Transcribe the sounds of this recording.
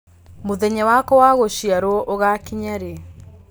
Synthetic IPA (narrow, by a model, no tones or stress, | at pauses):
moðɛɲawakɔwaɣoʃiaɾoɔʔoɣakiɲaɾe